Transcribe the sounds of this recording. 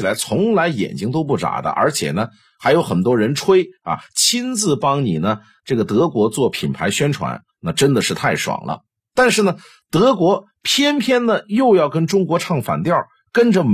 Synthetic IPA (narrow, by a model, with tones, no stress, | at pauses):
la˧˥ɪt͡sʰʊ˧˥ŋla˧˥ɪjɛ̰˨˩nt͡ɕi˥ŋt̪o˥ʊp̬u˥˩ʈ͡ʂa̰˨˩d̪ə̰˦ʔə̰˞˧˥t͡ɕʰjɛ̰˨˩nə˦ | xa˧˥ɪjo˧˥ʊxə˨˩nt̪̬wɔ˥ɻə˧˥nʈ͡ʂʰwe˥ɪa̰˨˩t͡ɕʰi˥nt͡sɹ̩˥˩pɑ˥ŋni˨˩nə˦ | ʈ͡ʂɤ˥˩ɡə˩t̪ɤ˧˥kwɔ˧˥t͡swɔ˥˩pʰi˨˩npʰa˧˥ɪɕɥɛ˥nʈ͡ʂʰwa̰˧˥n | na˥˩ʈ͡ʂə˥nd̪ə˨ʂɻ̩˥˧t̪ʰa˥˩ɪʂwɑ̰˨˩ŋlə̰˦ | t̪a˥˧nʂɻ̩˥˩nə˩ | t̪ɤ˧˥kwɔ˧˥ | pʰjɛ˥npʰjɛ˥nd̪ə˨jo˥˧ʊjɑ˥˩ʊkə˥nʈ͡ʂʊ˥ŋkwɔ˧˥ʈ͡ʂʰɑ˥˩ŋfa̰˨˩nt̪jɑ˥˩ʊ | kə˥nʈ͡ʂə˨m